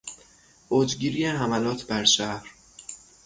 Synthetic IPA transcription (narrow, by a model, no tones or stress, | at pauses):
ʔoːd͡ʒɟiːɾijeɦæmælɒːt̪ʰbæɾʃæhɾ